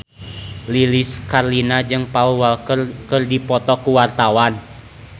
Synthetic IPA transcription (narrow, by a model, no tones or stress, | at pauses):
liliskarlinad͡ʒɨŋpauwalkərdipɔt̪ɔkuwart̪awan